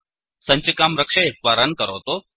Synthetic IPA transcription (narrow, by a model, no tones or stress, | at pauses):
səɲt͡ɕikamɾəkʂəep̚paɾankəɾəʋt̪o